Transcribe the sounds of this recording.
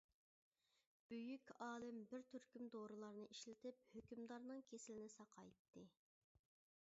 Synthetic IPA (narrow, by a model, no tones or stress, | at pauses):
b̥øjykʲɑːlˠɨmbɪɾt̪ʰyɾkʲymd̪oɾɨlˠɑɾnɨʔiʃlɪt̪ʰɪp̚høkʲymd̪ɑɾnɨŋkʲʰesɪlɪnɪsɑqʰɑjt̪ʰːɨ